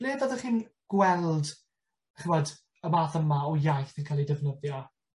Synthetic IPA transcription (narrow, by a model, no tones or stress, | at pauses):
liːvɔðəχiːnɡ̥wɛlˠd | χəmɔd | əmaːθəmaɔjajθənkʰalˠidəvnəðjɔ